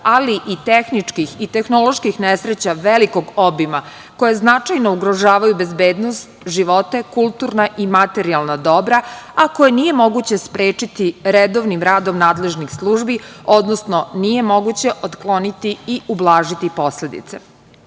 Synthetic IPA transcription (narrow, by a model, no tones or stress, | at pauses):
aliʔit̪exnit͡ʂkixit̪exnolo̞ʃkixnesɾet͡ɕaʋeliko̞ɡobima | ko̞jeznat͡ʂajno̞uɡɾoʒaːʋajube̞zbeːd̪nost̪ʒiʋo̞t̪e̞kulˠt̪uːɾnaʔimat̪eɾialˠnad̪o̞bɾaako̞jenije̞mo̞ɡut͡ɕe̞spɾeːt͡ʂit̪iɾed̪oʋnimɾaːd̪o̞mnaːd̪le̞ʒnixslˠuːʒbio̞d̪nosno̞nije̞mo̞ɡut͡ɕe̞ʔot̪klˠo̞nit̪iiublˠaːʒit̪ipo̞sle̞d̪ḭt̪sḛ